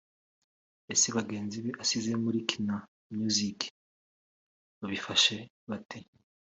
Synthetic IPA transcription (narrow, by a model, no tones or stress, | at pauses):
esiβaɡe̞ːnziβeʔasizemuɾikʰina | mɲuzik | βaβifaʃe̞ | βatʰe